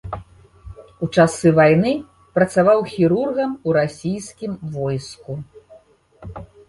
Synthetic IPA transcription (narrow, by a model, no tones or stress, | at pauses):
ut͡ʂasɨvajnɨ | pɾɐt̪savawxʲiɾurɣɐmuɾasʲijskʲimvɔjsku